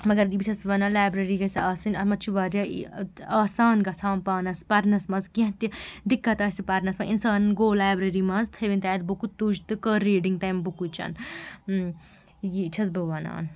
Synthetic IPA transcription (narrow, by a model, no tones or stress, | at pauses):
mɐɡɐɾibit͡ʃʲʰɐsʋɐnaːlaːbɾɐɾiɡɐsiaːsɐnɐmɐt͡ʃʰiʋaːɾjaḭaːsaːnɡɐsʰaːmpaːnɐspɐɾnɐsmɐzkiɦt̪id̪ikːɐt̪ɐsipɐɾnɐsmɐʔinsaːnɐnɡoːlaːbɾɐɾimɐnzt̪ʰɐʋinʲt̪aːt̪̚bukut̪ud͡ʒt̪ɨkəɾːeːɖiŋɡ̚t̪ɐːjmbukut͡ʃɐ̰n | jit͡ʃʰɐs̬bɐʋɐna̰ːn